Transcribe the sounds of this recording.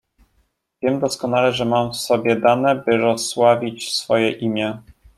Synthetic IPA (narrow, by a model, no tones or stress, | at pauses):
vʲjɛmd̪ɔskɔn̪alɛʐɛmamfsɔbʲjɛd̪anɛbɘɾɔswavʲit͡ɕsfɔjɛʔimʲjɛ